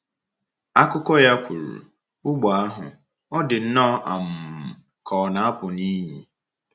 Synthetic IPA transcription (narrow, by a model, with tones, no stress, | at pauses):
a˦kʊ˦kɔ˦ja˦kʷʰu˨ɾṵ˨ | ʊ˦ɡ͡bɔ˨a˦ɦʊ̰˨ | ɔ˦dɪ˨n̩˦nɔ˦ʔa̰˨m̩˨ | kʰɔː˨na˨a˦pʊ˨ni˦ɦi˨